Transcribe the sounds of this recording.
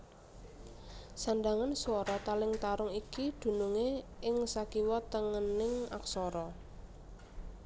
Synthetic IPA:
sand̪aŋanswɔɾɔt̪alɪŋt̪aɾʊŋikid̪̥ṳnuŋeɪŋsakiwɔt̪əŋənɪŋa̰ksɔɾɔ

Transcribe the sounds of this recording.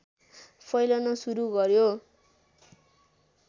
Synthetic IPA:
pʰʌjlʌnʌsuɾuɡʌɾjo

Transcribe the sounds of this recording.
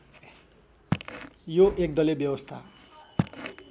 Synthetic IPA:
joʔek̚d̪ʌlebjʌwʌst̪ʰa

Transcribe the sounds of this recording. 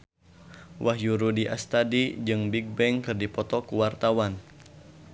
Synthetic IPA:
wʔahjuɾudiʔa̰st̪adid͡ʒɨŋbiɡ̚bɛŋkɨrdipɔt̪ɔkuwart̪awan

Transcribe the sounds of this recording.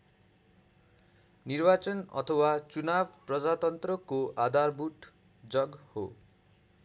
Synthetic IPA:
nirbat͡sʌnʌ̰t̪ʰʌwat͡sunab̚prʌd͡zat̪ʌnt̪rʌkoʔad̪ʱarbuʈ | d͡zʌɡho̰

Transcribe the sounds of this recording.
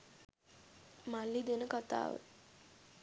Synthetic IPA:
malːid̪enəkat̪a̰ːʋə̰

